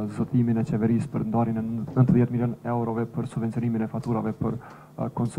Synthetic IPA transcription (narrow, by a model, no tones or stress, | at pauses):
zɔt̪iminɛt͡ɕɛvɛɾispəɾnd̪aɾinɛnənt̪əðjɛt̪miljɔnɛwɾɔvɛpəɾsubvɛnt͡siɔniminɛfat̪uɾa̰vɛpəɾ | kɔnsu